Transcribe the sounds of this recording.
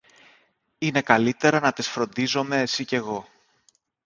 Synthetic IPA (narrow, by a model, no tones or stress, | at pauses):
ine̞kɐlit̪e̞ɾɐnɐt̪isfɾo̞nd̪izo̞me̞esice̞ɣo̞